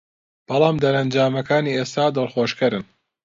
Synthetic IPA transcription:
b̥ɑlˠɑːmd̪ɐɾɐnd͡ʒaːmɐkaːniːeːst̪aːd̪ɨlˠxoːʃkɐɾɨn

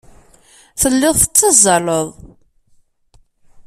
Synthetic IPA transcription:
θəlːɪðˤθə̥t͡sːəzˤələðˤ

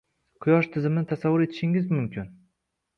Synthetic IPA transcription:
qʰʊjɒʃt̪ʰɪzɪmɪnɪt̪ʰasavːʊɾe̞t̪ʰɪ̥ʃɪŋɪzmʊmkʲʰɪn

